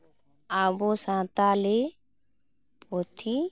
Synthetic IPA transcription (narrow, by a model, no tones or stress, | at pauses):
abɔsãt̪ale | pɔt̪ʰi